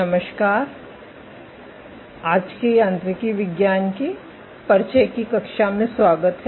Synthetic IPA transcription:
ɐməʃkaːɾ | aːd͡ʒkejãːnt̪ɾəkiʋɪɡjaːnki | pɐɾt͡ʃekikɐkʃamẽswaːɡət̪ɦ

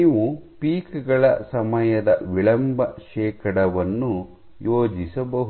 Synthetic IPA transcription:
iːʋupiːkɛɡɐɭɐsɐmɐjɐd̪ɐ̰ʋiɭɐmbʱɐʃɛːkʰɐɽɐʋɐnːu | joːd͡ʒisɐbɐɦu

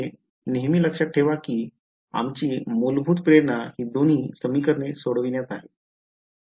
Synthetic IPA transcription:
e | neɦmiːləkʂat̚ʈʰeʋakiː | a̰mt͡ɕiːmulbʱuːt̪̚pɾeɾɳahiːd̪on̤iːsəmiːkəɾnesoɽʋinjat̪aɦe

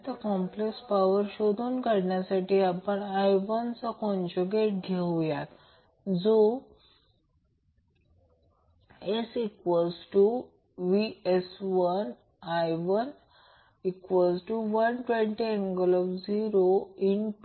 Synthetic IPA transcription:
t̪akɔ̃mplekspaʋəɾɕod̪ʱonkaɽɳjasaʈiːapəɳajʋənt͡sakɔ̃nd͡ʑuɡeʈ̚ɡʱeʋjat̪ | d͡zo | esiʈʋɔd͡zʈu | ʋiesʋən | ajʋən | ikʋɔd͡zʈuʋənʈʋẽɳʈienɡɔlɔfd͡ziɾoinp

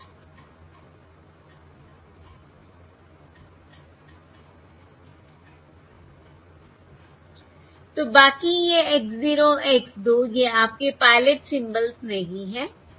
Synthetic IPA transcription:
t̪oːbaːkijeeːkziːɾoʔeksd̪oːjeaːp̚kepaːɪləʈsɪ̃mbəlzmẽɦiɦɛ̃ː

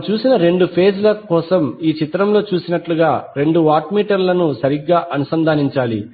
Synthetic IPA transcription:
t͡ʃuːsinɐɾe̞ɳɖupʰe̞ːd͡ʒlɐkɔːsɐmiːt͡ʃit̪ɾɐmlo̞ːt͡ʃuːsinɐʈluɡaːɾe̞ɳɖuʋaːʈmiːʈɐɾlɐnusɐɾiɡːaːʔɐnusɐnd̪ʱaːniɲt͡ʃaːlḭ

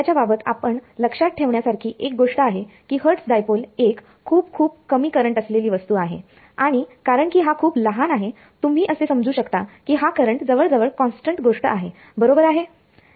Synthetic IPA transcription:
at͡ɕjababət̪a̰pəɳləkʂat̪̚ʈʰeʋɳjasaɾkʰiːʔek̚ɡoʂʈəaɦekiːɦəɾʈsɖajpolekʰːuːp̚kʰuːb̚kəmiːkəɾəɳʈəsleliːʋəst̪uːaɦḛ | aɽ̃ikaɾəɳkiːɦakʰuːbləɦanaɦe | t̪um̤iːʔəsesəmd͡zuːɕəkt̪akiːɦakəɾəɳʈd͡zəʋəɭd͡zəʋəɭkɔnsʈəɳʈɡoʂʈəʔaɦe | bəɾobəɾaɦe

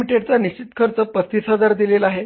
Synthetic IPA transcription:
miʈeɽt͡saniɕt͡ɕit̪kʰəɾt͡səpəst̪iːsɦəd͡zaɾd̪ilelaɦe

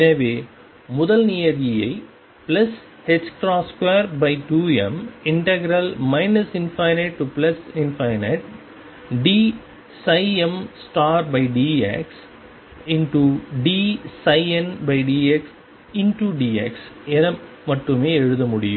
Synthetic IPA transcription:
ɛnɐʋeː | mʊðɐlnɪjɐðɪjɐɪ | plɐs | hɛskɾaːskʋeːɾbɐɪʈuːɛ̰mɪɳʈɛɡɾɐlmɐɪnɐsɪnfɐɪneʈʈːuplɐsɪnfɐɪneʈ̚ | ɖiː | sɐɪɛmsʈaːɾbɐɪɖiːḛks | ɪnʈuɖiːsɐɪɛnbɐɪɖiːeks | ɪnʈuɖiːeksɛnɐ | mɐʈrɯmeːɛɻɯðɐmʊɽɪjɯ̰̃m

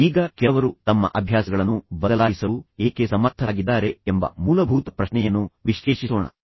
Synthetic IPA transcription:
iːɡɐkɛʋɐɾut̪ɐmːɐ̰ʔɐbʱjaːsɐɡɐɭɐnːubɐd̪ɐlaːjisɐueːkesɐmɐɾt̪ʰːɐaːɡid̪ːaːɾe̞embɐ̰muːlɐbʱuːt̪ɐpɾɐʃnɛjɐnːuʋiʃːeːʂisoːɳɐ̰

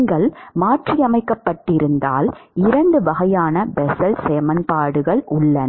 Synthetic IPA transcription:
ŋɡɐɭmaːʈrijɐmɐɪkːɐpːɐʈːɪɾɯnd̪a̰ːlɪɾɐɳɖɯʋɐɣɐjaːnɐbɛsɐlseːmɐnpaːɽɯɣɐɭʔʊɭːɐn

